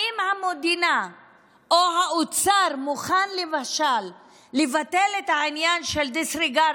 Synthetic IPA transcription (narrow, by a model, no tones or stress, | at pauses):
imhamod̪ina | ʔoɦaut͡saɾmuχanlevaʃalː | evatelet̪hainjanʃeld̪isʁiɡa